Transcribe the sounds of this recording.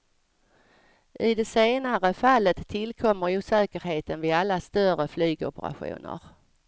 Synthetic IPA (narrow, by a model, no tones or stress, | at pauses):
ʔɪd̪ɛseːnaɾəfalːət̪ʰːɪlkʰɔmːəɾuːsɛːkəɾheːt̪ənvɪalːast̪œrəflyːɡɔ̰pə̰ɾa̰ɧṵːnə̰ɾ